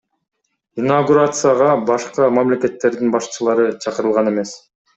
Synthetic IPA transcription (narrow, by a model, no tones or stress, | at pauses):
inaɡuɾat̪sɨjaʁɑbɑʃqɑmamle̞ke̞t̪ːe̞ɾd̪inbɑʃt͡ʃʰɯlˠɑɾɯt͡ʃʰɑqɯɾɯlˠʁɑne̞me̞s